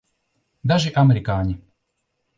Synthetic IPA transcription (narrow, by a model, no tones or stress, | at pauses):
d̪aʒiʔamɛɾikaːɲi